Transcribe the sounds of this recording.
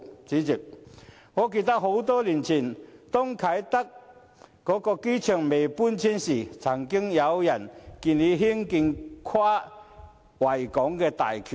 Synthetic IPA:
t͡siː˨˥t͡si˨˩p̚ | ŋɔː˨˧ke˧t̪ɐ˥k̚ho˨˥wt̪ɔː˥liː˨˩nt͡sʰiː˨˩nt̪ʊ˥ŋkʰa˨˥jt̪ɐ˥k̚ː | ɔː˨˥kɔː˧ke˥jt͡ʃʰœː˨˩ŋme˨˩jpuː˥nt͡sʰi˥nsiː˨˩t͡sʰɐ˨˩ŋkɪ˥ŋjɐ˨˧wjɐ˨˩nkiː˧nle˨˧ɦi˥ŋki˧nkʰwaː˥ | wɐ˨˩jkɔː˨˥ŋkɛː˧t̪a̰ː˨˩jkʰy˨

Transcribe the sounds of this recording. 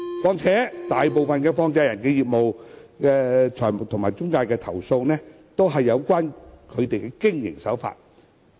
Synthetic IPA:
kɔː˨˧ŋt͡sʰɛː˨˥t̪aː˨jp̬o˨wfɐ˨nkɛː˧fɔː˧ŋt͡sɛː˧jɐ˨˩nkɛː˧jiː˨p̚mo˨wkɛː˧t͡ʃʰɔː˨˩mʊ˨˩k̚t̪ʰʊ˨˩ŋmaː˨˩jt͡sʊ˥ŋkaː˧jkɛː˧t̪ʰɐ˨˩wso˧wnɛː˥ | t̪o˥wɦɐ˨jːɐ˨˧wkʷaː˥nkʰɵ˨˧ɥt̪e˨jkɛː˧kɪ˥ŋjɪ̰˨˩ŋsɐ˨˥wfa̰ː˧t̚

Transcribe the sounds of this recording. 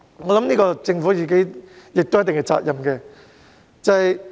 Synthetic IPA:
ŋɔ˨˧lɐ˨˥mniː˥kɔː˧t͡sɪ˧ŋfuː˨˥jiː˨˩ke˦˥jjɪ˨k̚t̪o˥jt̪ɪ˨ŋkːɛ˧t͡sa̰ː˧t̚jɐ˨˩mkɛː˧ | t͡sɐ˨hj

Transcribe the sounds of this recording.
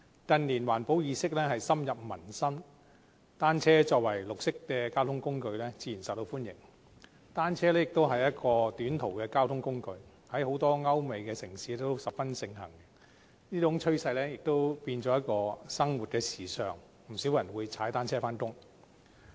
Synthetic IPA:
kɐ˧nliː˨˩nwaː˨˩npo˨˥wjiː˨˧sɪ˥k̚lɛː˥ɦɐ˨jsɐ˥mjɐ˨p̚mɐ˨˩nsɐ˥m | t̪aː˥nt͡sʰɛː˥t͡ʃɔː˧k̚wɐ˨˩jlʊ˨k̚sɪ˥k̚kɛː˧kaː˥wt̪ʰʊ˥ŋkʊ˥ŋkɵ˧ɥlɛː˥t͡siː˨˥jiː˨˩nsɐ˨˩t̪o˧wfuː˥njɪ̰˨˩ŋ | t̪aː˥nt͡sʰɛː˥lɛː˥jɪ˨k̚t̪o˥wɦɐ˨jɐ˥t̚kɔː˧t̪yː˨˥nt̪ʰo˨˩wkɛː˧kaː˥wt̪ʰʊ˥ŋkʊ˥ŋkɵ˧ɥ | hɐ˨˥jho˨˥wt̪ɔː˥ŋɐ˥wme˨˧jkɛː˧sɪ˨˩ŋsiː˨˥lɛ˥t̪o˥wsɐ˨p̚fɐ˥nsɪ˧ŋɦɐ̰˨˩ŋ | niː˥t̪ʰʊ˨˥ŋt͡ʃʰɵ˥ɥsɐ˧jlɛː˥jɪ˨k̚t̪o˥wpiː˧nt͡sɔː˨˥jɐ˥t̚kɔː˧sɐ˥ŋwu˨t̚kɛː˧siː˨sœː˨ŋ | m̩˨˩si˨˥wjɐ˨˩nwuː˨˧jt͡sʰaː˨˥jt̪aː˥nt͡sʰɛː˥faː˥nkʊ˥ŋ

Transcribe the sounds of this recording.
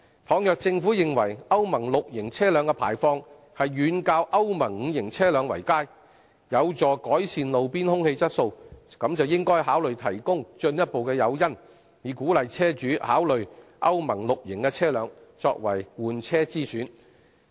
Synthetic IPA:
t̪ʰɔː˨˧ŋjœː˨k̚t͡sɪ˧ŋfuː˨˥jɪ˨ŋwɐ˨˩jɐ˥wmɐ˨˩ŋlʊ˨k̚jɪ˨˩ŋt͡sʰɛː˥lœː˨˧ŋkɛː˧pʰa̰ː˨˩jfɔː˧ŋ | hɐ˨jːyː˨˧nkaː˧wʔɐ˥wmɐ˨˩ŋ̩ː˨˧jɪ˨˩ŋt͡sʰɛː˥lœː˨˧ŋwɐ˨˩jkaː˥j | jɐ˨˧wt͡sɔː˨˩kɔː˨˥jsiː˨nlo˨wpiː˥nhʊ˥ŋhe˧jt͡sɐ˥t̚so˧wkɐ˨˥mt͡sɐ˨wjɪ˥ŋkɔː˥jɦaː˨˥wlɵ˨ɥt̪ʰɐ˨˩jkʊ˥ŋt͡ʃɵ˧njɐ˥t̚po˨wkɛː˧jɐ˨˧wjɐ˥n | jiː˨˧kuː˨˥lɐ˨jt͡sʰɛː˥t͡ʃyː˨˥ha̰ː˨˥wlɵ˨ɥʔɐ˥wmɐ˨˩ŋlʊ˨k̚jɪ˨˩ŋkɛː˧t͡sʰɛː˥lœː˨˧ŋt͡sɔː˧k̚wɐ̰˨˩jwuː˨nt͡sʰɛː˥t͡siː˥syː˨˥n

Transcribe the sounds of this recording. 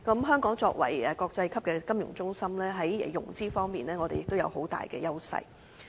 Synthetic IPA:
kɐ˨˦˥mɦœː˥ŋkɔː˨˥ŋt͡sɔː˧k̚wɐ̰˨˩jɛ˨kɔː˧k̚t͡sɐ˧jkʰɐ˥p̚kɛː˧kɐ˥mjʊ̰˨˩ŋt͡sʊ˥ŋsɐ˥mlɛː˥ɦɐ˨˦j̰jʊ˨˩ŋt͡siː˥fɔː˥ŋmiː˨nlɛː˥ŋɔː˨˧e˨jɪ˨k̚t̪o˥wjɐ̰˨˧who˨˥wt̪a̰ː˨jkɛ̰ː˧jɐ˥wsɐ̰˧j

